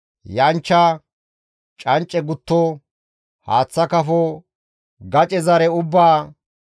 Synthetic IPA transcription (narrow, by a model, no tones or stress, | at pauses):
jɐnt͡ʃːa | t͡ʃʼɐnt͡ʃʼːɛɡʊt̪ːɔ | ha̰ːt͡sːɐkɐfɔ | ɡɐt͡ʃʼɛzɐɾɛʊbːaː